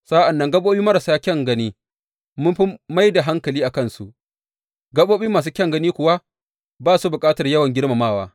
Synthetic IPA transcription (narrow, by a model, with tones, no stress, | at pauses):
sa˦ʔa˨nːɐ˦ŋɡɐ˦ɓoː˦ɓiː˦mɐ˦ɾɐ˨saː˦kʲɐ˦ŋɡɐ˦niː˦ | mʊ˦mɸi˦ma˦jda˨ɦa˦ŋkɐ˨liː˦ʔa˨kɐ˦˨nsu˦ʔ | ɡɐ˦ɓoː˦ɓiː˦maː˨s̬uː˦kʲɛ˦ŋɡɐ˦niː˦kʷʊ˨wa˦ | baː˦˨su˦bʊ˨kʼaː˦tɐ˨rjɐ˦wɐ˨ŋɡʲɪ˦rma˨maː˦˨waː˦